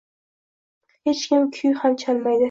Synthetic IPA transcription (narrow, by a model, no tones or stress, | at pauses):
het͡ʃkʲʰɪmkʲʰʊjhamt͡ʃʰalmajd̪ɪ